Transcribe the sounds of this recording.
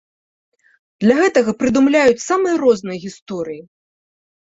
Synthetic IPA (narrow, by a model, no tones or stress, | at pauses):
d̪̥lʲɐɣɛt̪ɐɣɐpɾɨd̪umlʲajut͡sʲsamɨjɐɾɔznɨjɐɣʲist̪ɔɾɨji